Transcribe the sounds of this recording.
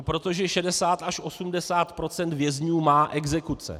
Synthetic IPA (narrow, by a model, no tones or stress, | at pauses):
pɾo̞t̪o̞ʒɛʃɛdɛsaːt̪aʃʔo̞sumdɛsaːt̪pɾo̞t͡sɛnt̪vjɛzɲuːmaːʔɛɡzɛkut͡sɛ̰